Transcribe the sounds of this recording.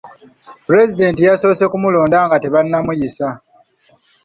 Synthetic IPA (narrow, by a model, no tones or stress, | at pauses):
pɾe̞zide̞ːntijaso̞ːse̞kumulo̞ːndaːŋɡate̞βanːamujisa